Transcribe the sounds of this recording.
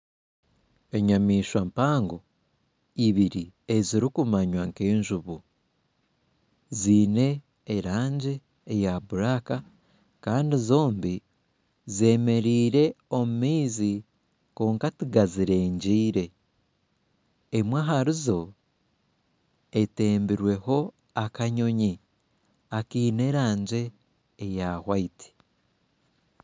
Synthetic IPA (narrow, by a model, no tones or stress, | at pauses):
e̞ɲamiːʃwampaːŋɡo̞ | iβiɾieziɾikumaɲwaŋke̞ːɲʒuβu | ziːne̞ː | ɾaːɲɟe̞ː | jaβuɾaka | kaːndizo̞ːmbi | ze̞me̞ɾiːɾe̞o̞mumiːzi | koːŋkatiɡaziɾe̞ːɲɟiːɾe̞ | mwaɦaɾizo̞ | ete̞ːmbiɾwe̞ho̞ | akaɲo̞ɲi | akiːne̞ɾaːɲɟe̞ː | jahwaiti̥